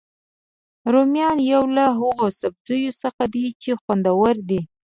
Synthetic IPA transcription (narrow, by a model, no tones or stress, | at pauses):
ɾomjɑnjawlaɦʊɣosab̚zəjosəxad̪it͡ʃexwand̪awaɾd̪i